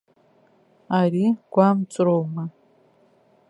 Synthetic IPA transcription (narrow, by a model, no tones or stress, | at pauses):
aːɾiːɡ̥ʷamt͡sʼɨɾowmɐ